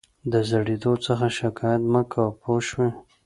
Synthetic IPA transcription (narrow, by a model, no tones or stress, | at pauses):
d̪əzəɽed̪ot͡səxaʃɪkɑjat̪məkʰawpoʃwe